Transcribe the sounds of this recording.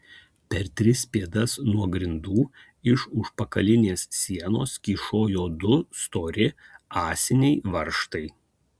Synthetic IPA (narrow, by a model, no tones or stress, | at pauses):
pʲɛɾt̪ʲɾʲɪsʲpʲeːd̪ɐsnuɔɡɾʲɪnd̪uː | ɪʃʊʃpɐkɐlʲɪnʲeːssʲiɛnoːskʲiːʃoːjoːd̪ʊst̪oːɾʲɪɑːsʲɪnʲɛɪʋɐɾʃt̪ɐɪ